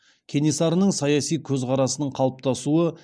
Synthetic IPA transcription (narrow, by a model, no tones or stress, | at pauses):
kʲʰe̞nisɑɾənəɴsɑjɑsijkʲʰɵzqʰɑɾɑsənəɴqʰɑlˠəp̚t̪ɑsuə